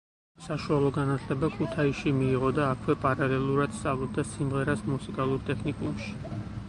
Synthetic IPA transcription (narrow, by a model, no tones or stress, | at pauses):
saʃualˠɔɡanat̪ʰlɛbakʰut̪ʰaiʃimiːʁɔd̪aːkʰwɛpʼaɾalɛlˠuɾad̪̥st̪sʼavlˠɔb̚d̪asimʁɛɾasmusikʼalˠuɾt̪ʼɛkʰnikʼṵmʃi̥